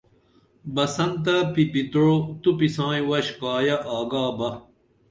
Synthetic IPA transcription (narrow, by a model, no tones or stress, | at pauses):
bɐsɐnt̪̬ɐpipit̪ɻot̪upisãːjĩwɐɕkaːjɐʔaːɡaːbɐ